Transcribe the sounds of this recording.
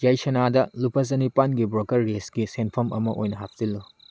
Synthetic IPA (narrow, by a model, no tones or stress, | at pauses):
jajsɐnadɐlupʰɐzɐnipanɡibɾokɐɾːesɡisenpʰɐmʔɐmɐʔojnɐɦap̚zilːu